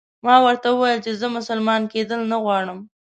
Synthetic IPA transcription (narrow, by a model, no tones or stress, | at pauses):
mɑwəɾt̪awəwajəlt͡ʃezəmʊsəlmɑnked̪əlnaɣwɑɽəm